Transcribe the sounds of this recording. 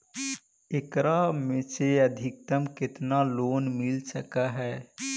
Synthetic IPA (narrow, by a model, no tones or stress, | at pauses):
ɪkɾamẽseəd̪ʱɪk̚t̪əmkɪt̪naloːnmɪlsəkaɦɛː